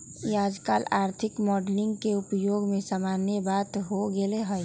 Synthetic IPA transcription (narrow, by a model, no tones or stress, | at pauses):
jaːd͡ʒka̰ːlaːɾt̪ʰɪkmɔːɖlɪ̃ŋɡkeʊpjoːɡmẽsaːmaːnjəbaːt̪ɦoɡeleɦəj